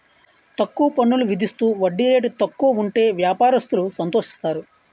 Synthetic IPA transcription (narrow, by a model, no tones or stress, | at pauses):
t̪ɐkːuʋɐpɐɳːuluʋid̪ʱist̪uːʋɐɖːiɾe̞ːʈut̪ɐkːuʋɐuɳʈe̞ːʋjaːpaːɾɐst̪ulusɐnt̪o̞ːʂi̥st̪aːɾu